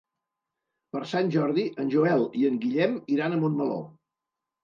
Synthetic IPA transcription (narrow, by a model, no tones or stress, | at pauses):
pəɾsanʲʒɔɾðiʔənʲʒuɛlˠiəŋɡiʎɛmiɾanəmonməlo̰